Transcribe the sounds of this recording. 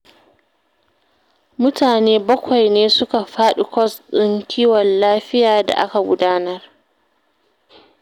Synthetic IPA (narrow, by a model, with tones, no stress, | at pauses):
mʊ˦tʰaː˨neː˦bɐ˦kʷa˨jneː˦sʊ˦ka˨ɸaː˦ɗu˨kʷɔ˦sɗɪ˦ŋkʲʰiː˦wɔ˨nlaː˦ɸɪ˦jaː˨da̰˨ʔa̰˦ka˨ɡʷʊ˦daː˦nɐ˦r